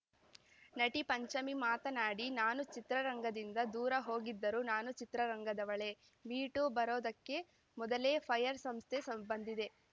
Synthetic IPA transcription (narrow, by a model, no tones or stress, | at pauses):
nɐʈipɐɲt͡ʃɐmimaːt̪ɐnaːɽinaːnut͡ʃit̪ɾɐɾɐŋɡɐd̪ind̪ɐd̪uːɾɐɦo̞ːɡid̪ːɐɾuːnaːnut͡ʃit̪ɾɐɾɐŋɡɐd̪ɐʋɐɭe̞ | ʋiːʈubɐɾoːd̪ɐkːe̞ | mɔd̪ɐle̞ːpʰɐjɐɾsɐmst̪ʰesɐmbɐnd̪id̪e̞